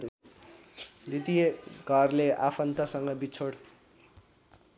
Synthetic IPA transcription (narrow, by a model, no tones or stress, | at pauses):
d̪it̪ijeɡʱʌrleʔapʰʌnt̪asʌŋɡʌbit͡sʰoɽ